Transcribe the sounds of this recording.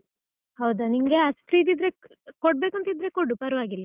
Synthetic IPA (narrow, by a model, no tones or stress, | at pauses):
hɐwd̪ɐniŋɡeɐsp̪ɾid̪id̪ɾe̞ | koɖ̚beːkuɐnt̪id̪ɾe̞koɖːupɐɾɐʋaːɡilːɐ